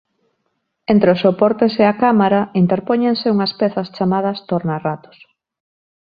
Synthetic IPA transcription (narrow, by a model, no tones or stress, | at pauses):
ent̪ɾeosːopɔɾt̪eseakamaɾaint̪eɾpɔɲeŋseuŋɐspɛθɐst͡ʃamað̞ɐst̪oɾnarat̪ʊ̥s